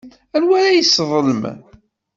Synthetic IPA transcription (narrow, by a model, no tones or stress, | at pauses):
ælwæɾæjəsːðˤələm